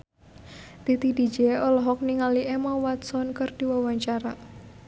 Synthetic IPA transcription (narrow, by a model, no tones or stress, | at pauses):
t̪it̪idi̥d͡ʒɛɔlɔɦɔk̚niŋaliʔɛmawat̪̚sɔnkɨrd̥i̤wawaɲt͡ʃaɾa